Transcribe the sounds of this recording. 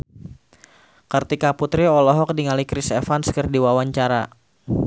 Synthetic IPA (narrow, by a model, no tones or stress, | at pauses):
kərt̪ikaput̪ɾiɔlɔɦɔk̚diŋalikɾisɛfanskərdiwawaɲt͡ʃaɾa